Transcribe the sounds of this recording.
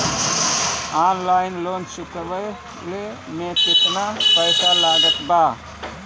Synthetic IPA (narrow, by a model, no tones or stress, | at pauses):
anlaɪnlonsikbəj | lemet̪it̪napəɪsalaɡət̪ba